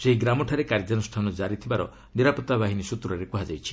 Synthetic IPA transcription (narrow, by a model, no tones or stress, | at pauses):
seɦiɡɾamɔʈʰaɾekaɾd͡ʒɔnɔsʈʰanɔd͡ʒaɾit̪ʰibaɾɔ̰ | niɾapɔt̪abaɦinisut̪ɾɔɾekuɦad͡ʒajt͡ʃʰi̥